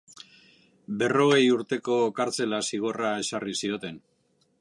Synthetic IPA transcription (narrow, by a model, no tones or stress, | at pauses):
be̞ro̞ɣ̞e̞juɾt̪e̞ko̞kaɾt͡se̞lasiɣ̞o̞rae̞sarisio̞t̪e̞n